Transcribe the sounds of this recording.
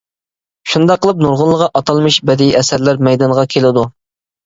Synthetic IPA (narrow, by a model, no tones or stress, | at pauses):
ʃund̪ɑqʰːəlˠəp̚nuɾʁʊnlˠəʁɑʔɑt̪ʰɑlˠmɨʃbɛd̪iɛsæɾlæɾmɛjd̪ɑnʁɑkʲʰelɪd̪u